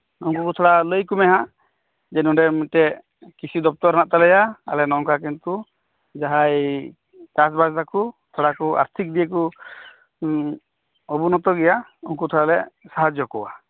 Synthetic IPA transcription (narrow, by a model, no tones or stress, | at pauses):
uŋkukut̪ʰɔɽaləjkumɛɦã | d͡ʒɛnũɖɛmuʈe | kit͡ʃʰid̪ɔp̚t̪ɔɾnaʔt̪alɛjaa̰lɛnɔŋkak̬int̪u | d͡ʒaɦaj | kas̬bast̪akut̪ʰɔɽakua̰ɾt̪ʰik̚d̪ijek̬u | ɔbunɔt̪ɔɡɛjauŋkut̪ʰɔɽalɛsaɦad͡ʒjɔkɔwa̰